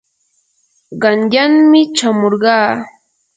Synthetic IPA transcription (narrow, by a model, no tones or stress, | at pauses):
ɢɑnʎaŋmɪt͡ʃamoɾɢɑː